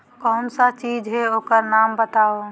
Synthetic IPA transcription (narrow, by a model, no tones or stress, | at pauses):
kɔːnsat͡ʃiːd͡ʒɦɛoːkəɾnaːmbət̪ao